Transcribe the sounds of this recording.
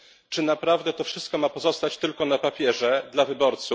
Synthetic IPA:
t͡ʂɘnapɾavd̪ɛt̪ɔfʂɘst̪̚kɔmapɔzɔst̪at͡ɕt̪ɘlkɔnapapʲjɛʐɛd̪lavɘbɔɾt̪su

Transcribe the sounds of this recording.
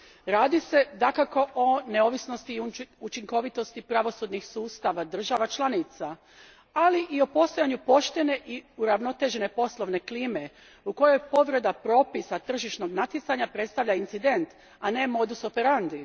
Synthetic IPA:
ɾaːd̪ise̞d̪akako̞ʔone̞o̞ʋisno̞st̪iut͡ʃiŋko̞ʋit̪o̞st̪ipɾaʋo̞sud̪nixsuːst̪aʋad̪r̩ʒaʋat͡ʃlˠanit̪sa | aliʔio̞po̞st̪o̞jaɲupo̞ʃt̪ene̞ʔiuɾaʋno̞t̪e̞ʒe̞ne̞po̞slˠo̞ʋne̞kliːme̞ | uko̞jo̞jpo̞ʋɾe̞d̪apɾo̞ːpisat̪r̩ʒiʃno̞ɡnat̪jet̪saɲapɾe̞t̪st̪aʋʎaint̪sid̪e̞nt̪ | ane̞mo̞d̪usopeɾand̪i

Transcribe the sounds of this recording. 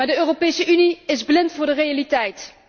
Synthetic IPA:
maːɹdəøːropeːjsəʔyniɪzblɪntfʊːɹdərejalitɛjt

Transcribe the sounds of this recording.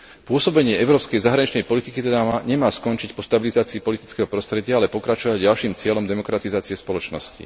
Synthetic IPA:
pʊɔsɔbɛɲɪɛɛʊɾɔːpskɛjzaɦɾaɲit͡ʃnɛjpɔlit̪ikit̪ɛd̪aɲɛmaːskɔnt͡ʃicpɔst̪abilizaːt͡siːpɔlit̪i̥t͡skɛɦɔpɾɔst̪ɾɛɟɪaalɛpɔkɾat͡ʃɔʋaɟɟalʃiːmt͡sɪɛlɔmd̪ɛmɔkɾat̪izaːt͡siɛspɔlɔt͡ʃnɔ̰scḭ

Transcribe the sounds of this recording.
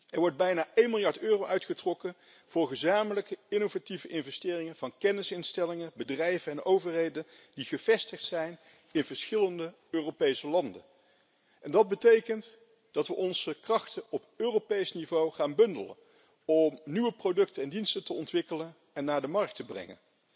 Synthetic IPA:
ɛɹʋɔɹd̚bɛjnaːʔejnmɪlˠjɑɹtøːrowʔœɥtχətrɔkən | v̥ʊːɹχəzaːmələkəɪnovativəʔɪnvɛstɪːrɪŋənv̥ɑnkɛnɪsɪnstɛlɪŋəbədrɛjvənɛnʔowvəɹɦejdən | diχəv̥ɛstəχtsɛjn | ɪnvəɹsχɪləndə | øːropejsəlɑndə̰n | ʔɛndɑd̚bətejkənt | d̥ɑtʋəʔɔnzəkrɑχtəʔɔpøːropejsnivowχaːnbɵndələ̰n | ɔmnyʋəprodɵk̚təɛndinstətəɔntʋɪkələn | ɛnːaːɹdəmɑrk̚təbrɛ̰ŋə̰n

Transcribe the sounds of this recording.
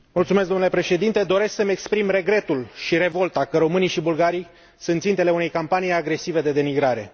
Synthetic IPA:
mult̪sumes̬ɡ̪onule̞pɾe̞ʃe̞d̪int̪e̞d̪o̞ɾe̞sksəme̞kspɾimre̞ɡɾe̞t̪ulʃiɾe̞vo̞lt̪akəɾo̞mɨnijʃibulɡaɾij | sunt̪sint̪e̞le̞une̞jkampanijaɡɾe̞sive̞d̪e̞d̪e̞miɡɾaɾe̞

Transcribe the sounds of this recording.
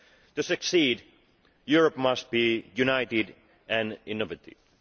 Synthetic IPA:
t̪ɨsɨksiːd | juɹəpmʌst̪̚b̥ijʉnaɪtɪd | ʔɨ̃nɪnɔvɨt̪ḭ̥

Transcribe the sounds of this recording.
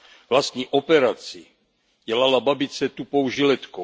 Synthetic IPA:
vlast̪ɲiːʔopɛɾat͡sɪ | ɟɛlalababɪt͡sɛt̪upo̞wʒɪlɛt̪ko

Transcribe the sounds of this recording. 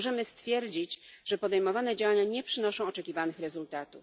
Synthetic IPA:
ʐɛmɘst̪fʲjɛɾd͡ʑit͡ɕʐ̥ɛpɔd̪ɛjmɔvanɛd͡ʑawaɲaɲɛpʂɘnɔʂɔ̃w̃ɔt͡ʂɛkʲivanɘxɾɛzult̪at̪uf

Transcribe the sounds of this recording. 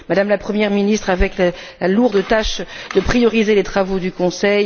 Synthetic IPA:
mad̪amlapχəmjɛʁminist̪χavɛklə | laluʁd̪ət̪aʃd̪̥əpχijɔʁizelet̪χavod̪ykɔ̃sɛj

